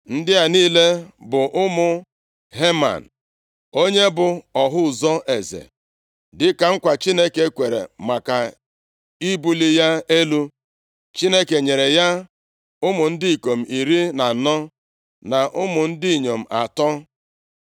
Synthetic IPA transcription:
n̩˦dɪ˦a˨niː˦le˦bʊ˨ʔʊ˦mʊ˨ | ɦe˦ma̰˨n̩˨ | o˦ɲe˦bʊ˨ɔ˨ɦʊ˦˨zɔ˦ʔe˨zḛ˨ | dɪ˦ka˨ŋ̩˦kʷa˨t͡ʃi˦ne˦ke˦kʷe˨ɾḛ˨ma˨ka˨ | i˦bu˦li˦ja˦e˦lu˦ | t͡ʃi˦ne˦ke˨ɲe˨ɾe˨ja˦ | ʊ˦mʊ˨n̩˦dɪ˦i˨ko˨m̩˨i˨ɾi˦na˨nɔ˦ | na˨ʔʊ˦mʊ˨n̩˦dɪ˦i˨ɲo˨m̩˨a˨tɔ˦

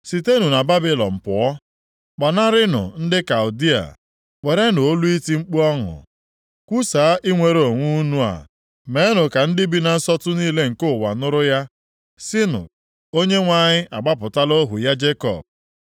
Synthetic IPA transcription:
si˨te˦nu˨na˨ba˦bɪ˦lɔ̰˨m̩˨pʊ˨ɔ˦ | k͡pa˨na˦ɾɪ˦nʊ̰˨n̩˦dɪ˦ka˨ʊ˨di˦a̰˨ | k͡pe˨ɾe˦no˨o˦lu˦i˦ti˦ŋ͡m̩˦k͡pu˦ɔ˦ŋʊ̰˨ | kʷu˦saː˨˦ʔi˦ŋʷe˨ɾo˨ŋʷu˦u˦nu˦a̰˨ | me˨˦nʊ˨ka˨n̩˦dɪ˦bi˦na˨n̩˦sɔ˦tʊ˦niː˦le˦ŋ̩˨kʊ˦˨wa̰˨nʊ˦ɾʊ˦ja˦ | si˦nʊ̰˨k̚ | o˦ɲe˦ŋʷa˨ɲɪ˦ʔa˨ɡ͡ba˦pʊ˨ta˦lo˦ɦʊ˨ja˦d͡ʒe˦kɔ̰˨b̚

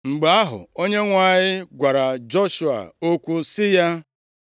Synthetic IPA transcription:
ŋ͡m̩˨ɡ͡ba˦ɦʊ̰˨o˦ɲe˦ŋʷa˦˨ɲɪ˦ɡʷa˨ɾa˨d͡ʒɔ˦ʃu˨a̰˨o˦kʷu˦sɪ˦ja˦

